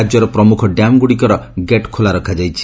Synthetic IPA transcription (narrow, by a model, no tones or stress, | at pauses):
d͡ʒjɔɾɔpɾɔmukʰɔɖamɡuɽikɔɾɔɡeʈkʰolaɾɔkʰad͡ʒajt͡ʃʰi̥